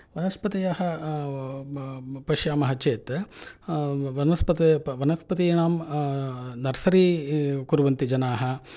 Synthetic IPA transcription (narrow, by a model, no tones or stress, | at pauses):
ʋɐnɐspɐt̪ijaɦɐ | pɐʃjaːmɐɦɐt͡ʃeːt̪ | ʋɐnɐspɐt̪ɐʋɐnɐspɐt̪iːnaːm | nɐɾɐsɐɾiːkuɾuʋɐnt̪id͡ʒɐnaːɦɐ̆